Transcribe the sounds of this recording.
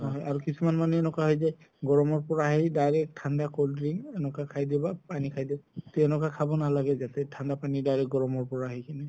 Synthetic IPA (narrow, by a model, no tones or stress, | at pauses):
ɦɔjaɹukisumanmanuɛnɔkaɦɔjzɛ | ɡɔɹɔmɔɹpɔɹaɦjdajɹɛtʰandakoldɹiŋɛnɔkakʰajdɛbapanikʰajditɛɛnɔkakʰabɔnalaɡɛzat̪ɛtʰandapanidajɹɛɡɔɹɔmɔɹpɔɹaɦɔjkanɛ